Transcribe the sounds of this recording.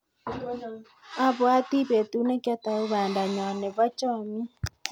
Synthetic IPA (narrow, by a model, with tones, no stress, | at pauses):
a˦βwa˦ti˦βe˨tu˨˦ne˦kja˦ta˨o˦βa˨nda˨ɲɔ˨ne˨βa˦t͡ʃɔ˦˨mi˦